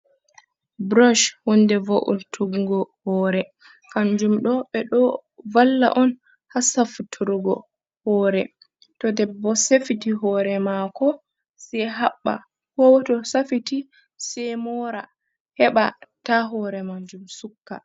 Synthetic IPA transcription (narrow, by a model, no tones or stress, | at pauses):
bɾɔʃhɔndɛvoʔṵtʰuɡɡɔhɔːɾɛ | kand͡ʒumɗɔɓɛɗɔvalːa̰ʔɔn | hasafutʰuɾuɡɔ̰ | hɔːɾɛ | tɔdɛbːɔsefitiɦɔːɾɛmakɔ | sɛɦaɓːa̰ | hɔwtɔsafiti | sɛmɔɾa | hɛɓataɦɔɾɛmaɲd͡ʒumsukːa̰